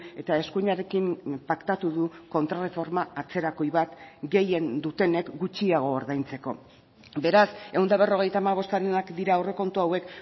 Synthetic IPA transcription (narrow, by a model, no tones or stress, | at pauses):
e̞t̪ae̞skuɲaɾe̞kimpakt̪at̪uðuko̞nt̪ɾare̞fo̞ɾmaat͡se̞ɾako̞jβat̪ɡe̞je̞nd̪ut̪e̞ne̞kɡut͡ʃiaɣ̞o̞ːɾðajnt͡se̞ko̞̰ | be̞ɾase̞wnd̪aβ̞e̞ro̞ɣ̞e̞jt̪aːmaβ̞o̞st̪aɾenakd̪iɾaːwre̞ko̞nt̪uawe̞k